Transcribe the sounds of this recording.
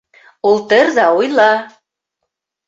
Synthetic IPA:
ult̪ə̆ɾzɑujlˠɑ

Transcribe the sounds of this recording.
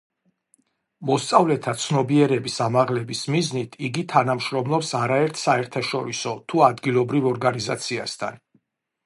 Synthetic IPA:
mɔst̪sʼavlɛt̪ʰat̪sʰnɔbiɛɾɛbisamaʁlɛbismiznit̪ʰiɡit̪ʰanamʃɾɔmlˠɔpsaɾaɛɾt̪ʰsaɛɾt̪ʰaʃɔɾisɔt̪ʰuad̪ɡilˠɔbɾivɔɾɡaniza̰t̪sʰia̰st̪ʰa̰n

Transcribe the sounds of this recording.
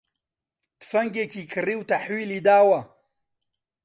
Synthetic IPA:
t̪fɐŋɡekʲikʰɨɾiwt̪aħwiːlid̪aːwa

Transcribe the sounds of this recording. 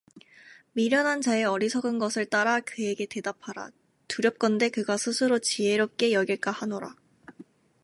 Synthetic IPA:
miɾjʌnɦant͡ɕae̞ʌɾisʰʌɡɯnɡʌsʰɯɭt͈aɾakɯe̞ɡe̞te̞dapʰaɾa̰ | tuɾjʌp̚k͈ʌnde̞kɯɡasʰɯsʰɯɾot͡ɕiɦe̞ɾop̚k͈e̞jʌɡiɭk͈ahanoɾa̰

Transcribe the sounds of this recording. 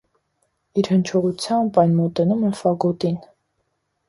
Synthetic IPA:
iɾhənt͡ʃʰɔʁut͡sʰjɑmbɑjnmɔt̪ɛnumɛfɑɡɔt̪in

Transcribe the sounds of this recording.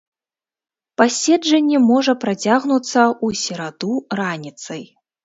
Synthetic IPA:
pasʲɛd͡ʐɐnʲːɛmɔʐɐpɾat͡sʲaɣnut̪sːɐusʲɛɾad̪uranʲit̪sɐj

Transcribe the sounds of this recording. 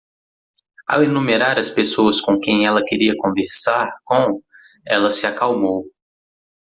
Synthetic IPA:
a̰wenũmeɾaɾɐspesoɐskõkẽj̃ɛlɐkeɾiɐkõveɾsaɾkõ | ɛlɐsɪakawmow

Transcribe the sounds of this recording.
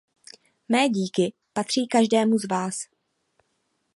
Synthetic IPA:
mɛːɟiːkɪ | pat̪r̝̥iːkaʒdɛːmuzvaːs

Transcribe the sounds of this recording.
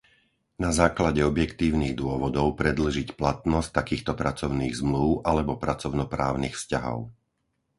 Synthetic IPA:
nazaːklaɟɛɔbjɛkt̪iːʊniːɣd̪ʊɔʋɔd̪ɔʊpɾɛd̪l̩ʒicplat̪nɔsct̪akiːxt̪ɔpɾat͡sɔʊniːɣzmluʊʔalɛbɔpɾat͡sɔʊnɔpɾaːʊniːxfscaɦɔ̰ʊ

